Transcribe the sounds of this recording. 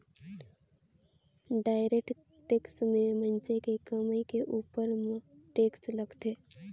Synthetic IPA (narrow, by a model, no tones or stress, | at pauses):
ɖaːɪɾek̚ʈ | ʈeːksmẽmənt͡ʃekekəmikeʔuːpəɾmʈeːksləɡt̪eː